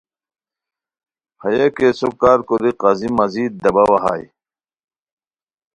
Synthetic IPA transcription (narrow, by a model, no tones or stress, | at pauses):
hɐjɐkesokːaːɾkoɾiqɐzimɐziːd̪̚d̪ɐbɐwɐɦa̰j